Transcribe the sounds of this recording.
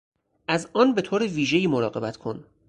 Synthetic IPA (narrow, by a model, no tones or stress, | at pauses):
ʔæzɒːnbe̞t̪ʰoːɾeviːʒe̞jiːmoɾɒːɣe̞bæt̪kʰon